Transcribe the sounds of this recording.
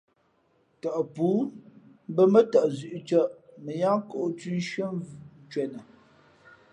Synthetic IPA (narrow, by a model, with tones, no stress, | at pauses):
tə˨ʔpuː˨˦ | m˦bə˦mə˦tə˨ʔzʉ˨ʔt͡ʃə˦ʔmə˨ja˦ŋko˦ʔtʉ˦ʃə˦m˨n˦t͡ʃɥɛ˨nə˨